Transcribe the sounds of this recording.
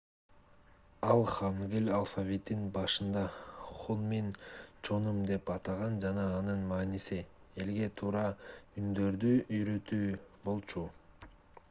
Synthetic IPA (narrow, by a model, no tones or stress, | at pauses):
ɑlˠχɑŋɡilʲalˠfavʲit̪inbɑʃɯnd̪ɑχunmint͡ʃʰo̞numd̪e̞pɑt̪ɑʁɑnd͡ʒɑnɑːnɯnmɑːnisi | e̞lɡe̞t̪ʰuːɾɑynd̪ø̞ɾd̪yyjɾø̞t̪yːbo̞lˠt͡ʃʰu